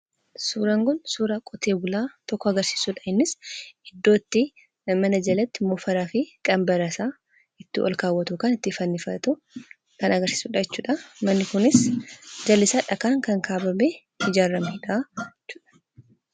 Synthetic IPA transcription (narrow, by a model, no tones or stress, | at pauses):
suːɾɐŋɡɔnsuːɾɐkʼɔt̪e̞ːbʊlaːt̪ɔkːɔɐɡɐɾsi̥ːsuːᶑɐhɪnːɪsɪd̪ːo̞ːt̪ːɪ | mɐnɐd͡ʒɐlɐt̪ːɪmɔfɐɾaːfɪkʼɐmbɐɾɐsaː | ɪt̪ːɪʔɔ̰lkaːwːɐt̪ʊkaːnɪt̪ːɪfɐnːɪfɐt̪ʊ | kɐnɐɡɐɾsi̥ːsuːᶑɐjɛt͡ʃːuːᶑɐmɐnːɪkʊnɪsd͡ʒɐlːɪsaːᶑɐkaːŋkɐŋkʰaːbɐme | hɪd͡ʒaːɾːɐmhɪᶑat͡ʃːʊᶑɐ̥